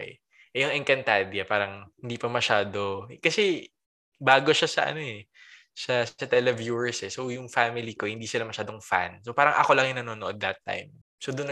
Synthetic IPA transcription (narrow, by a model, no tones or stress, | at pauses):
ʔɛjʊŋɛŋkɐnt̪ad̪jɐpaːɾɐŋhɪnd̪iːpɐmɐʃaːd̪o̞kɐsɛ | baːɡoʃasɐʔɐ̰no̞ɛ | sɐsɐt̪ɛlɛvjuːɛɹsɛsowjʊŋfamɪlikohɪnd̪iːsɪlamɐʃaːd̪o̞ŋfa̰nsopaːɾɐŋʔɐ̰ko̞lɐŋjʊnɐnoːnoʔod̪ːɐt̪ːa̰jm | sod̪ʊn